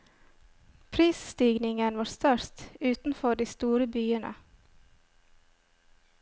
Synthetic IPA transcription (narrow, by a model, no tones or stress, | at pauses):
pʰɾiːsst̪iːɡnɪŋənʋɑːɾst̪œɾt̪ʉːt̪n̩fɔɖiːst̪uːɾəbyːənʔə̰